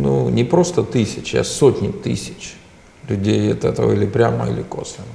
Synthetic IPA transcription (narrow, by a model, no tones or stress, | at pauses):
nunʲɪpɾo̞st̪ət̪ɨsʲɪt͡ɕa̰sotʲnʲɪt̪ɨsʲɪ̥t͡ɕ | lʲʊdʲejɐt̪ɛt̪əʋəilʲɪpɾʲaməḭlʲɪkoslʲɪn